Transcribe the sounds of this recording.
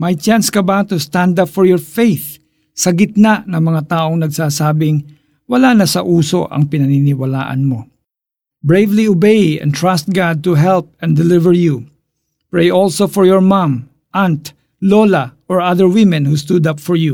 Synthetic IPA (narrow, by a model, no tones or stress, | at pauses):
mɐjt͡ʃãnskɐbaːt̪ost̪ãnd̪apfɔɹjɔɹfejθ | sɐɡɪt̪̚nanɐŋmɐŋat̪aːʔo̞ŋnɐɡsaːsaːbɪŋ | wɐlanɐsɐʔuːso̞̰ʔɐ̰ŋpɪnɐninɪwɐla̰ːʔɐ̰nmo | bɹejvliobejɛ̰̃nt̪ɹast̪̚ɡad̪̚t̪ʊɦɛlp̚ɛ̃nd̪ɛlɪvɛɹju | pɹejʔolsofɔɹjɔɹmãm | ʔant̪ | lolɐʔɔɹʔaðəɹwɪmɛ̃nhust̪ud̪apfɔɹju